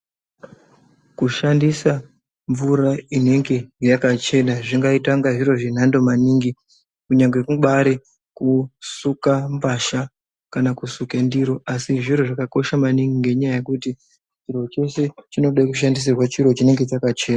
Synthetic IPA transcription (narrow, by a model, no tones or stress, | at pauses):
kuʃandisa | ɱvuɾaine̞ŋɡe̞jakat͡ʃe̞naʐiŋɡaitaŋɡaʐiɾo̞ʐen̤ando̞maniːŋɡi | kuɲaŋɡekuɓaɾe | kusukambaʃa | kanakusukendiɾoʔasiʐiɾo̞ʐakako̞ʃamaniŋɡiŋɡeɲajaje̞kuti | t͡ʃiɾo̞t͡ʃo̞se̞t͡ʃinoɗaikuʃ̬andis̬irwat͡ʃiɾo̞t͡ʃine̞ŋɡe̞t͡ʃakat͡ʃe̞ːna